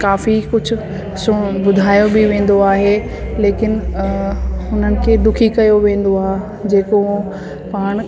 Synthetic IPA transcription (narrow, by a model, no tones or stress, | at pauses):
kaːfikʊd͡ʑʱʊ̆ | sʊbʊd̪ʱaːjobɪʋẽːn̆d̪oaːɦe | leːkɪnɪ | ʊn̤ənɪ̆kʰeːd̪ʊkʰikɐjoʋẽːn̆d̪oaːɦe | d͡ʑeːko | paːɽ̃